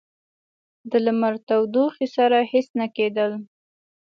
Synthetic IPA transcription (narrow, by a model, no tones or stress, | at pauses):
d̪əlamaɾt̪awd̪uxisaɾahɪsnaked̪əl